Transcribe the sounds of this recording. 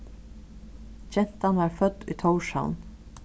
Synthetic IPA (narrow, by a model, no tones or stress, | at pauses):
t͡ʃɛn̥t̪anʋaɹfœt̪ːʊ̰jt̪ʰɔwʃa̰wn